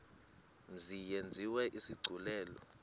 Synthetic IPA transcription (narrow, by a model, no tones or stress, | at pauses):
m̩zijend͡zʱiwɛʔisiɡ͡ǀʱulɛːlɔ